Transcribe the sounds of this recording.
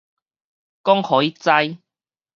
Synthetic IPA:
kɔ˦˥ŋhɔ˨˥ji˦t͡sa˧j

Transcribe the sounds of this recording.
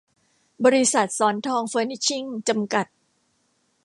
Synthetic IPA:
bɔː˧ɾi˧˥sa˨˩t̪̚sɔː˩˦nt̪ʰɔː˧ŋfɤː˧˥ni˧˥t͡ɕʰi˥˩ŋt͡ɕa˧mka˨˩t̪̚

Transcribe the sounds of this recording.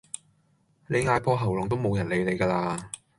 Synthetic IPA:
le˨˧jŋaː˨˥jpʰɔː˥ɦɐ˨˩wlʊ˨ŋt̪o˥wmo˨˧wjɐ˨˩nle˨˧jle˨˧jkaː˧laː˧

